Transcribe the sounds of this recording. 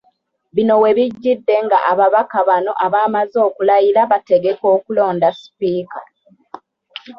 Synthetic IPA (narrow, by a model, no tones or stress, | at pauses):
βino̞we̞βiɟːidːe̞ŋɡaʔaβaβakaβano̞ʔaβaːmazo̞ːkulajiɾaβate̞ɡe̞ko̞ːkulo̞ːndasi̥piːka